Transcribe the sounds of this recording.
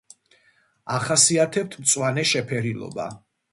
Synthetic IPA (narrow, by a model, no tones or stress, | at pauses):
aχasiat̪ʰɛp̚t̪ʰmt̪sʼwanɛʃɛpʰɛɾilˠɔ̰ba̰